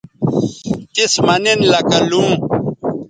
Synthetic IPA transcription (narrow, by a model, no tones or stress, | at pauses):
t̪ismɐnenlɐkɐlũː